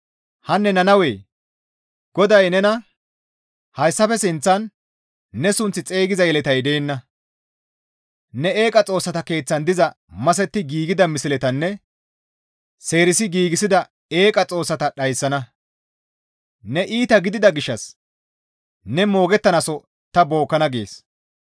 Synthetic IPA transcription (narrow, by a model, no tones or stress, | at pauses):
hɐnːɛnɐnɐwe̞ː | ɡ̥ɔd̪ɐjnɛnɐ | hɐjsːɐfɛsɪnt͡sːɐnː | ɛsʊnt͡sːɪt͡sʼe̞ːɡɪzɐjɛlɛt̪ɐjd̪eːnːɐ | nɛe̞ːkʼɐt͡sʼo̞ːsːɐt̪ɐke̞ːt͡sːɐnd̪ɪzɐ | mɐs̬ɛt̪ːɪɡiːɡɪd̪ɐmɪsɪlɛt̪ɐnːɛ | se̞ːɾɪsɪɡiːɡɪsɪd̪ɐ | eːkʼɐt͡sʼo̞ːsːɐt̪ɐɗɐjsːɐnɐ | nɛʔiːt̪ɐɡɪd̪ɪd̪ɐɡɪʃːɐs | nɛmo̞ːɡɛt̪ːɐnɐsɔ | t̪ɐbo̞ːkːɐnɐɡḛːs